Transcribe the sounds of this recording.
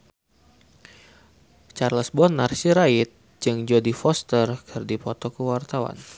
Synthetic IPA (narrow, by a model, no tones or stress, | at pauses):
t͡ʃarləsbɔnarsiɾaɪt̪̚ | d͡ʒɨŋd͡ʒodifɔst̪ərkʰərdipɔt̪ɔkəwart̪awa̰n